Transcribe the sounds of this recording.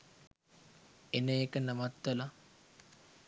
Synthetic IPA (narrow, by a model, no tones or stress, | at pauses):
enəekənɐmat̪ːela